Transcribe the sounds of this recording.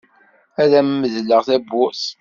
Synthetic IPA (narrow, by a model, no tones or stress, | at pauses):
æðæmmːəðləʁθæbːʊʔs